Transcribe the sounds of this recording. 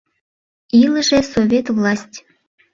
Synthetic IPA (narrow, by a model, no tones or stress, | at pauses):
iləʒesovʲet̪vlɑsʲtʲ